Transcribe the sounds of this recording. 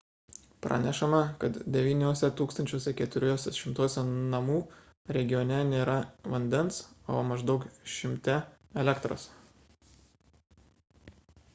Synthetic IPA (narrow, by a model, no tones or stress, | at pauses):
pɾʔɐ̰nʲɛʃɐmɐkɐt̪d̪ʲɛʋʲiːnʲoːsʲɛt̪uːkst̪ɐnʲt͡ʃʲoːsʲɛkʲɛt̪ʊɾʲoːsʲɛʃʲɪmt̪uɔsʲɛnɐmuː | ɾʲɛɡʲɪjɔːnʲɛnʲeːɾɐʋɐnʲd̪ʲɛnso̰ːmɐʒd̪ɒʊkʃʲɪmʲt̪ʲɛ | ɛlʲɛkt̪ɾo̰ːs